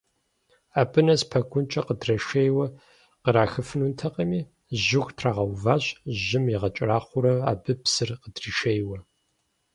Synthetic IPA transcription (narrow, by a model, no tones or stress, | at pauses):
aːbɨnɐspʰɐɡʷʰʼʊnt͡ʃʼɐqədrɐʃejwɐ | qəɾaːxɨfɨnuntʰɐqɐmiː | ʒɪxʷtʰraːʁɐwvaːɕʒɪmjiʁɐt͡ʃʼɪraːχʷʊɾɐa̰ːbɨpsɨrqədriːʃejwɐ